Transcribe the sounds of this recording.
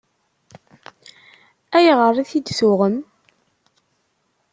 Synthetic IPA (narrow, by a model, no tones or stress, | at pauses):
æjʁərˤːiθid̪suʁəm